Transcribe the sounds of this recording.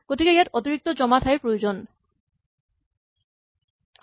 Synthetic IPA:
koʈʰikajaɾɔt̪iɾik̚t̪od͡ʑɔmat̪ʰaeɾpɾojod͡ʑon

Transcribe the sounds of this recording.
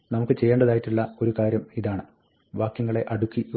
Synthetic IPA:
nɐmukːɨt͡ɕe̞jːeːɳɖɐðaːjitːiɭːɐo̞ɾukaːɾjɐmiðaːɳɨ | ʋaːkjɐŋːɐɭe̞ʔɐɽukːi

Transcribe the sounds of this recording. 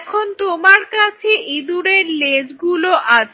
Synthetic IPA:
kʰont̪omaɾkat͡ɕʰeʔid̪uɾeɾled͡ʑɡuloʔat͡ɕʰ

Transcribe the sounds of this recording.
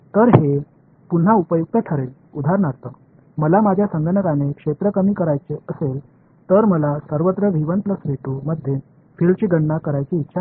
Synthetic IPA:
t̪əɾɦe | pun̤ːaupəjuk̚t̪əʈʰəɾel | ud̪ʱaɾɳaɾt̪ə | məlamad͡ʑʱjasəŋɡʱənəkanekʂet̪ɾəkəmiːkəɾajt͡seʔəsel | t̪əɾməlasəɾʋət̪ɾəʋʱiʋənt̪ləsɾiʈuməd̪ʱje | filt͡ɕiːɡəɳːakəɾajt͡siːtːɕʰa

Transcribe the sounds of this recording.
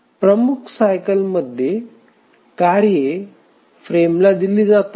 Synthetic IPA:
pɾəmukʰsajkəlməd̪ʱje | kaɾje | fɾemlad̪iliːd͡zat̪

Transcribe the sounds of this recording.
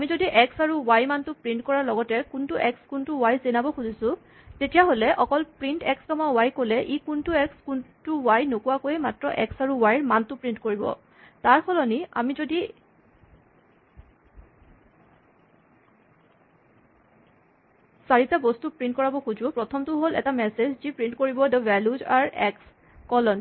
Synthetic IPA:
amizodiʔɛksaɹuwajmantʊpɹintkɔɹaɹlɔɡɔtɛkuntuʔɛkskuntʊwajzenabɔxuzisʊ̃ | tetijaɦolɛʔɔkɔlpɹintɛkstɔmawajkolɛʔikuntuɛkskuntuwajnokuwakojematɹɔʔɛ̰ksaɹuwajɹmantʊpɹintkoɹibɔ̰ | taɹkʰɔlɔnia̰mizodi | saɹitabɔstupɹintkɔɹabɔxuzʊ̃pɹɔtʰɔmtʊɦolɛ̰tamɛsezzipɹintkoɹibɔdɔbɛluzaɹɛks | kɔlɔn

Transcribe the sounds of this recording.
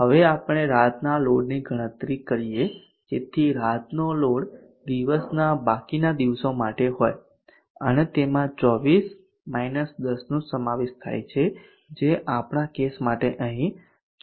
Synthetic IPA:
ɦəʋeapɽ̃eɾat̪naloɽniɡʱəɽ̃ə̃t̪ɾikəɾije | d͡ʒet̪ʰiɾat̪noloɽ | d̪iʋəsnabakinad̪iʋsomaʈeɦoj | ənet̪emãt͡ʃɔʋis | mainəsd̪əsnũsəmaʋeʃt̪ʰa̰jt͡ʃʰe | d͡ʒeʔapɳ̃akesmaʈeʔəɦĩ

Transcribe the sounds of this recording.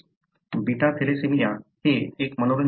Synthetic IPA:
biʈat̪ʰelesemijaheekmənoɾən

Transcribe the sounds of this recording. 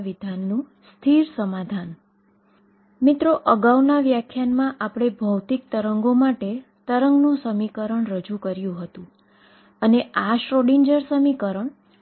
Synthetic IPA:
ʋid̪ʱanːũ | st̪ʰiɾsəmad̪ʱan | mit̪ɾoʔəɡawnaʋjakʰjanmãʔapɽ̃ebʱəwt̪ik̚t̪əɾəŋɡomaʈe | t̪əɾəŋɡnũsəmikəɾəɳɾəd͡ʒukəɾjũɦət̪ũ | əneʔaʃɾoɽiɲd͡ʒəɾsəmikəɾəɳ

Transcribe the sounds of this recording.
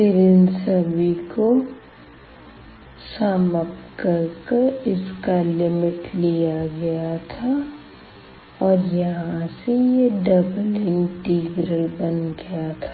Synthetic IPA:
sɪɾɪnsəbiko | saməpkɐɾkeɾɪskalɪmɪʈlijaɡɐjat̪ʰa | ɔːɾjɐɦãsejeɖɐbəlɪ̃nɡʈiːɡɾəlbənɡɐjat̪ʰḁ

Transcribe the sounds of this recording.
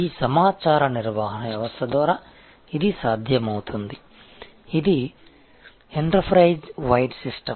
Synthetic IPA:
iːsɐmaːt͡ʃaːɾɐniɾʋaːɦɐnɐʋjɐʋɐst̪ʰɐd̪ʋaːɾaː | id̪isaːd̪ʱjɐmɐwut̪und̪i | id̪i | eɳɖɐɾpʰɾɐjd͡ʒʋɐjɖsisʈɐm

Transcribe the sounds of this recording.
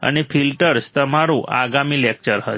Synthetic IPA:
a̰ñifilʈəɾst̪əmaɾuʔʔa̰ɡamiːlek̚t͡ɕəɾɦə

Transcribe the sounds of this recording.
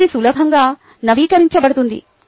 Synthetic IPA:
isulɐbʱɐŋɡaː | nɐʋiːkɐɾiɲt͡ʃɐbɐɽɐt̪und̪ḭ

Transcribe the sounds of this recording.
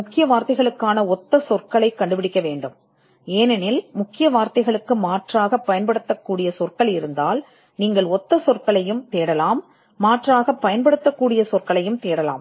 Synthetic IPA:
mʊkːɪjɐʋaːɾt̪ɐɪɣɐɭɯkːaːnɐɔt̪ːɐsɔrkɐɭɐɪkːɐɳɖɯpɪɽɪkːɐʋeːɳɖɯm | eːnɛnɪlmʊkːɪjɐʋaːɾt̪ɐɪɣɐɭɯkːɯmaːʈraːɣɐpːɐjɐnpɐɽɯt̪ːɐkːuːɽɪjɐsɔrkɐɭɪɾɯnd̪aːl | niːŋɡɐɭɔt̪ːɐsɔrkɐɭɐjɯmt̪eːɽɐlaːmː | aːʈraːɣɐpːɐjɐnpɐɽɯt̪ːɐkːuːɽɪjɐsɔrkɐɭɐjɯmt̪eːɽɐla̰ːm

